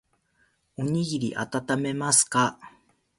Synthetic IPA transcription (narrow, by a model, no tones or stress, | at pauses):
uɲiɣiɾiʔa̰t̪at̪ame̞masɨ̥ka